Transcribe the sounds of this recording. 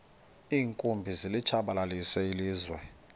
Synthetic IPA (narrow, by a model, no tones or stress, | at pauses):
iːŋkʼumbʱizilit͡ʃʰaɓalalisɛiliːzwɛ